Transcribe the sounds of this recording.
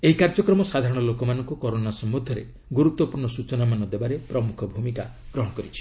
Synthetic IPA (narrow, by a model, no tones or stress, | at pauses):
eɦikaɾd͡ʒɔkɾɔmɔsad̪ʱaɾɔɽ̃ɔlokɔmanɔŋkukɔɾonasɔmːud̪ʱjɔɾḛ | ɡuɾut̪wɔpuɾɳɔsut͡ʃɔnamanɔd̪ebaɾepɾɔmukʰɔbʱumika | ɡ̥ɾɔɦɔɽɔkɔɾit͡ʃʰi̥